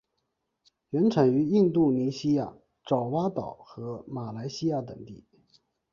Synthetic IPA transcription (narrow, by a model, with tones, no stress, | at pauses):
ɥɛ˧˥nʈ͡ʂʰa˨˩ny˧˥i˥˧ŋt̪u˥˩ni˧˥ɕi˥ja̰˥˩ | ʈ͡ʂɑ˨˩ʊwa˥t̪ɑ˨˩˦ʊxɤ˧˥ma˨˩la˧˥ɪɕi˥ja˥˩t̪ɤ˨˩ŋt̪i˥˩